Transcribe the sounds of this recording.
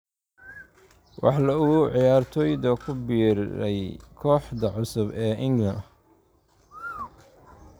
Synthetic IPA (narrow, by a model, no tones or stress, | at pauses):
wɑ̰ħlɐʊɣʊʕɪjaːrt̪ʰɔːjd̪ɐkʰʊbiːɾɛjkʰɔːħd̪ɐʕʊsʊbɛːʔɪŋɡlɐn